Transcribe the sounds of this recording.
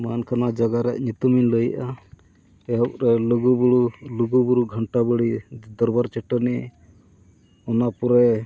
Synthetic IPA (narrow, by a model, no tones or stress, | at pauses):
mankʰanad͡ʒaɡaɾɛʔɲut̪uminləjʔa | ɛɦɔʔ̚ɾɛluɡubuɽuluɡubuɾuɡʱɔɳʈabəɽid̪ɔɾbaɾt͡ʃɛʈɔnɛɛ | ɔnapɔɾɛ